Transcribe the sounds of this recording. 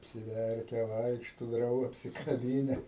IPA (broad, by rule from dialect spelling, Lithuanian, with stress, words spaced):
ɐpʲsʲɪˈʋʲɛrʲkʲɛ ˈʋɐɪkʃtoː ˈdrɐʊɡɐ ɐpʲsʲɪkɐˈbʲiːnʲɛ